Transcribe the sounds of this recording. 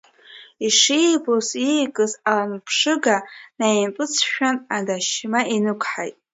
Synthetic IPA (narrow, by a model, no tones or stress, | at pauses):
iʂijbozijkʼɨzalanpʰʂɨɡanajinpʼɨt͡sʰʃᶣanadaʃmaʔinɨkʷʰħajtʼ